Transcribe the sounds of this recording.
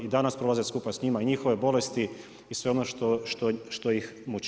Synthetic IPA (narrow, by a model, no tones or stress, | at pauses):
id̪anaspɾo̞lazeskupasɲimaiɲixo̞ʋe̞bo̞le̞st̪i | isʋe̞onoʃt̪oʃt̪oʃt̪ojixmut͡ʃ